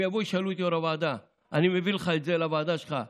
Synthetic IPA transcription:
iabojʃalut̪ioɾavaːd̪a | animevilχaet̪zelavaːd̪aʃχa

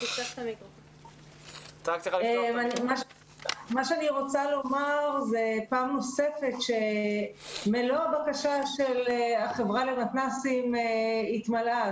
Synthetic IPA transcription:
itaχt̪amikʁofon | tʁak̚t̪ialemanimaʃ | maʃeaniʁo̞t͡salo̞maʁze̞paːmno̞se̞fe̞tʃe̞ | meloabakaʃaʃe̞leaχe̞vʁale̞matnasimeit̪mala

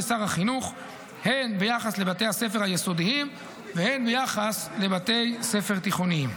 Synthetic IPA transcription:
esaʁhaχinuχ | he̞nbejaχaslebat̪e̞jhase̞feʁhajeso̞d̪iim | vehe̞nbejaχasle̞bat̪e̞jse̞feʁt̪iχoniim

